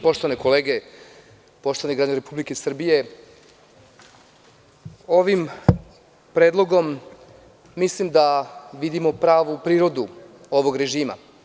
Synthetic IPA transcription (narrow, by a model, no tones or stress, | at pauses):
po̞ʃt̪oʋaneko̞leːɡe | po̞ʃt̪o̞ʋaneɡɾaːd͡ʑeɾepublikesr̩bije̞ | o̞ʋim | pɾeːd̪lˠo̞ɡo̞mː | islimd̪aʋid̪imo̞pɾaːʋupɾiːɾo̞d̪u | o̞ʋo̞ɡɾe̞ʒiːma̰